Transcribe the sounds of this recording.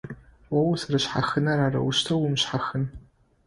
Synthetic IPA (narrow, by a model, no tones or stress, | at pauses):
wɐwsɐɾɨɕħa̰xɨnɐɾaːɾɐ̰wʊʃtʰɐwʊmɕħaxɨn